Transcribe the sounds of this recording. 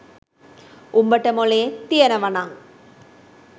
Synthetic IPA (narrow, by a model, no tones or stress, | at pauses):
ʔʊmbɐʈːɐmɔleːt̪ɪjɐnɐʋɐnaːŋ